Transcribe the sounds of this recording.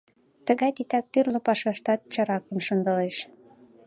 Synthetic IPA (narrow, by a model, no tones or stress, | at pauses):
t̪əɣɑjt̪it̪ɑk̚t̪yrlopɑʃɑʃt̪ɑt̪̚t͡ɕɑɾɑkə̆mʃənd̪ɤleʃ